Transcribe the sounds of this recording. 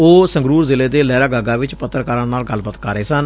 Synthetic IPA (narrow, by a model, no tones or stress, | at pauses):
oːsəŋɡɾuːɾzɪleːd̪eːlɛːɾaːɡaːɡaːʋɪt͡ʃpət̪ːɾkaːɾəɳnaːlɡəlbət̪kaːɾeːsən